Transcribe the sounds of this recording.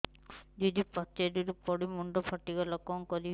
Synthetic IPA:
d͡ʒɔd̪ipɔt̪ːediɾupɔɽimuɳɖɔpʰɔʈːiɡɔlɔkɔŋkɔɾi

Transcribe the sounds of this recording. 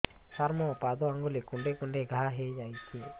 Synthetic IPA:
saɾmɔpad̪oaŋɡolekuɳɖekuɳɖeɡʱaɦed͡ʒajt͡ʃʰe

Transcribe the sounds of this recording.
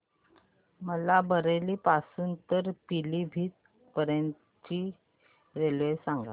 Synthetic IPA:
məlabʱəɾeliːpasuːnt̪əɾpilibʱiːt̪̚ | pəɾən | t͡ɕiː | ɾelʋesaŋɡa̰

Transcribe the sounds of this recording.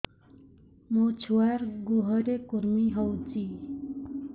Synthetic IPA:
mot͡sʰuwaɾɡoɦʌɾekuɾmiɦʌwd͡zi

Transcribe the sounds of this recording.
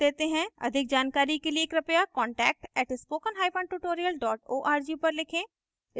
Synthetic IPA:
eːt̪eɦɛ̃ːə̰d̪ʱɪk̚d͡ʒaːnkaːɾikelieːkɾɐpjakɔːɳʈɛːk̚ʈɛːʈspoːkənɦaːipʰə̃ɳʈuʈoːɾijəlɖɔːʈoːʔaːɾd͡ʒiːpəɾlɪkʰẽː

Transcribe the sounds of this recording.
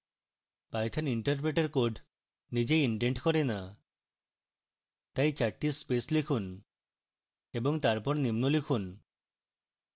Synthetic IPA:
pajt̪ʰaniɳʈɔɾp̬ɾeʈeɾkoɾɖ | nid͡ʒeiɳʈeɳʈkɔɾena | t̪ajt͡ʃaʈːispeslikʰun | ebɔŋt̪aɾpɔɾnimnolikʰun

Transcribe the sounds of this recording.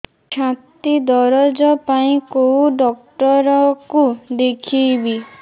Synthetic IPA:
t͡ʃʰãt̪id̪ɔɾɔd͡ʒɔpaĩkowuɖɔkʈɔɾɔkud̪ekʰiːbi

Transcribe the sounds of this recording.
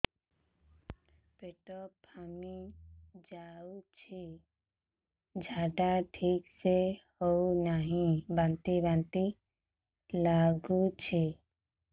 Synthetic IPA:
peʈɔpəmid͡ʒaut͡ʃʰi | d͡ʒʱaːɖaʈʰiːksehounaɦĩbãnt̪ibãnt̪i | laːɡut͡ʃʰi

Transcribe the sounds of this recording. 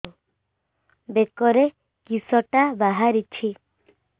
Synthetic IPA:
bekɔɾe | kisɔʈabaɦaɾit͡ʃʰi

